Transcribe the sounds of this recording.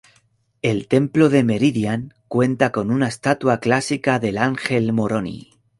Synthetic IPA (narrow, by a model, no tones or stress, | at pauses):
e̞lt̪e̞mplo̞ðe̞me̞ɾiðjaŋkwe̞nt̪ako̞nunaest̪at̪waklasikaðe̞laŋxe̞lmo̞ɾo̞nḭ